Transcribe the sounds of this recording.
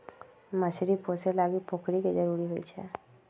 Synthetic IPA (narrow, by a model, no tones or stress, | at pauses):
masiɾiposelaɡipokʰɽiked͡ʒəɾuɾiɦojt͡ʃʰḛ